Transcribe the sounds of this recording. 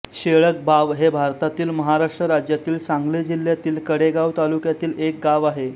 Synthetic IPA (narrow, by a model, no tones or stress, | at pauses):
ɕeɭək̚baʋɦebʱaɾt̪at̪iːlməɦaɾaʂʈɾəɾad͡ʑjat̪iːlsãŋɡled͡ʑil̤ːjat̪iːlkəɽeɡaʋt̪alukjat̪iːlek̚ɡaʋaɦe